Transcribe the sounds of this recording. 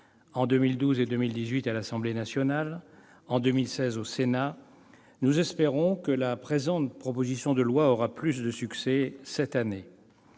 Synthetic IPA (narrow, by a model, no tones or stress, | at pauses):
ɑ̃d̪ømild̪uzed̪ømild̪izɥit̪alasɑ̃blenasjɔnal | ɑ̃d̪ømilsɛzosena | nuzɛspeʁɔ̃kəlapχezɑ̃t̪pχɔpozisjɔ̃d̪əlwaɔʁaplys̬d̪əsyksɛsɛt̪ane